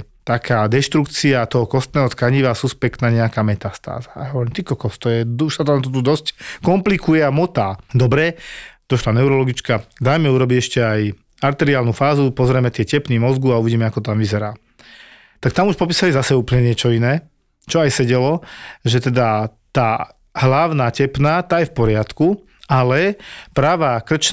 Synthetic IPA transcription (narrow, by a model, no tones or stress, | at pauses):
t̪akʰaːd̪ɛʃt̪ɾukt͡siat̪ɔɦɔkɔst̪nɛːɦɔt̪kaɲiʋasuspɛkt̪naɲɛakaːmɛt̪ast̪a̰ːzaa̰jaɦɔʋɔɾiːmt̪ikɔkɔst̪ɔjɛd̪uʃsat̪anat̪̬ɔt̪ud̪ɔsckɔmplikujɛamɔt̪aːd̪ɔbɾɛd̪̥ɔʃlanɛʊɾɔlɔɡit͡ʃkad̪ajmɛuɾɔbiɛʃcɛaj | aɾt̪ɛɾiaːlnufaːzupɔzɾɛmɛt̪ɪɛcɛpniːmɔzɡuauʋiɟiːmɛakɔt̪amʋizɛɾaː | t̪ak̚t̪amuʃpɔpiːsalizasɛuːplɲɛɲɪɛt͡ʃɔinɛː | t͡ʃɔajsɛɟɛlɔʒɛt̪ɛd̪at̪aː | ɦlaʊnaːcɛpnaːt̪aːjɛfpɔɾɪat̪ku | alɛpɾaːʋakr̩t͡ʃ